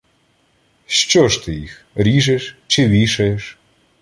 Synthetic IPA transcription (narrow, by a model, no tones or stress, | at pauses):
ʃt͡ʃɔʃt̪ɪjix | ɾʲiʒɛʃt͡ʃɪʋʲiʃɐjeʃ